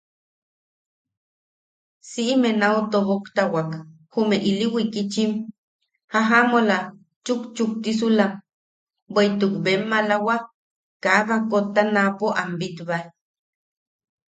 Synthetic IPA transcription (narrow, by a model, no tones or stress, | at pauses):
siʔimenaut̪oβokt̪awak | humeʔiliwikit͡ʃim | haɦamola | t͡ʃukt͡ʃuk̚t̪is̬ulam | bejt̪ukbemːalawa | kaβakot̪ːanapoʔambit̪βal